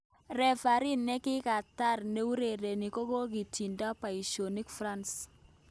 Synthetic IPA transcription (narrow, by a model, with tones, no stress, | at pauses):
rɛ˨fa˨ɾi˦nːɛ˦kɪ˦ka˨ta˦rne˦u˦ɾe˨ɾe˨ni˨ko˦ko˦k̬i˨ti˨nda˦pa˨i˨ʃo˨ni˦kfra˦ns